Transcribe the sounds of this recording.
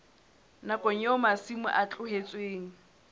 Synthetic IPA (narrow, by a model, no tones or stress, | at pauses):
nakʼɔɲ̩ɛʊmasimʊ̰ʔat͡ɬʼʊɦet͡sʼweːŋ̩